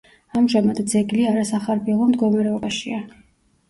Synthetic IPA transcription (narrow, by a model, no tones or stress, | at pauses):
amʒamad̪d̪zɛɡliaɾasaχaɾbiɛlˠɔmd̪ɡɔmaɾɛɔbaʃia